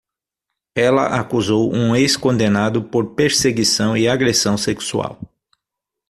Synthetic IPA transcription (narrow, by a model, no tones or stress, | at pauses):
ɛlɐ̰ʔakuzowʔũeskõnd̪enad̪ʊpoɾpeɾseɡisɐ̃w̃iaɡɾesɐ̃w̃seksua̰w